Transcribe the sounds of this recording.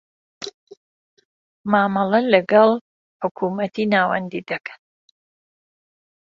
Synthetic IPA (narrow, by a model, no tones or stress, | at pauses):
maːmɑlɐlɐɡɑlˠ | ħʊkʰumɐt̪inaːwɐ̰nd̪id̪ɐkʰḁn